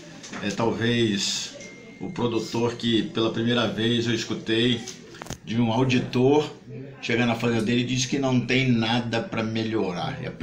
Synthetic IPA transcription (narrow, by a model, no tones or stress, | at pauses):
ɛt̪awvejs | ʊpɾod̪ut̪oɾkɪpelɐpɾimejɾɐvejzewiskut̪ej | d͡ʒɪũawd͡ʒit̪oɾʃeɡɐ̃nɐfɐ̃zĩɐd̪elɪd͡ʒisɪ̥kɪnɐ̃w̃t̪ẽj̃nad̪ɐpɾɐmeʎoɾa̰ɾɛ̰ɐ̰p